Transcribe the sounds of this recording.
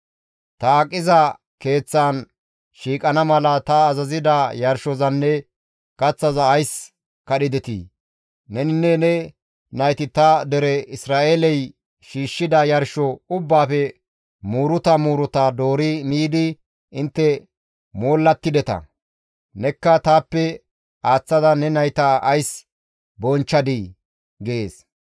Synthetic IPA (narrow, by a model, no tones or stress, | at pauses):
t̪ɐːkʼːɪzɐ | ke̞ːt͡sːaːn | ʃiːkʼɐnɐmɐlɐt̪ɐːzɐzɪd̪ɐjɐɾʃɔzɐnːɛ | kɐt͡sːɐzɐːjs | kɐɗɪd̪ɛt̪ḭː | nɛnɪnːɛnɛ | nɐjt̪ɪt̪ɐd̪ɛɾɛɪsɾaːʔelɛj | ʃiːʃːɪd̪ɐjɐɾʃɔʊbːaːfɛ | muːɾʊt̪ɐmuːɾʊt̪ad̪o̞ːɾɪmiːd̪ɪ | ɪnt̪ːɛ | moːlːɐt̪ːɪd̪ɛt̪ɐ̰ | nɛkːɐt̪aːpːɛ | aːt͡sːɐd̪ɐnɛnɐjt̪ɐʔɐjs | bɔnt͡ʃːɐd̪ɪ | ɡeeːs